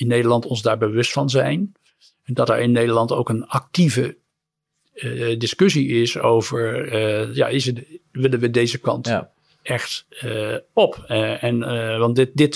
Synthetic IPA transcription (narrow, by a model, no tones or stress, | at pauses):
ɪnːejdəɹlɑntɔnzdaːɹbəʋɵstfɑnzɛ̰jn | ndɑtɛ̰ɹɪnːejdəɹlɑnto̰wkənɑk̚tivə | dɪskɵs̬iɪsowvəɹja̰ːɪsəʋɪlə̃nʋədejzəkɑ̰nt | ɛχt | ɔpɛnʋɑnɪdɪt